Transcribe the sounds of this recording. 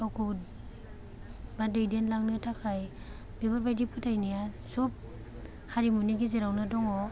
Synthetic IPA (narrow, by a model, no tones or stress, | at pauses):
ɔkʰu | badɯjdenlaŋnɯtʰakʰaj | b̥eɡɔɾbajdipʰutʰajnija | sup̚ | haɾimuniɡizeɾawnadɔŋɔ